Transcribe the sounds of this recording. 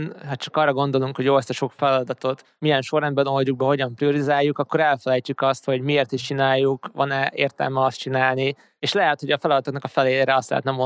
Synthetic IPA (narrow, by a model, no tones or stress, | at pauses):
nɦɒt͡ʃɒkɒrːɒɡo̞nd̪o̞luŋkho̞ɟjoːɛst̪ɛʃo̞kfɛlɒd̪ɒt̪o̞t̪ | mijɛnʃo̞rɛnbɛnolɟuɡ̚bɛɦo̞ɟɒmprijo̞ɾizaːjːukɒkːo̞ɾɛlfɛlɛjt͡ʃykɒst̪ho̞ɟmieːrt̪iʃt͡ʃinaːjːukvɒ̰nɛeːrt̪ɛ̰lmɛɒst̪t͡ʃinaːlni | eːʃlɛɦɛt̪ho̞ɟɒfɛlɒd̪ɒt̪oknɒkɒfɛleːleːɾɛɒst̪lɛ̰ɦɛt̪nɛmo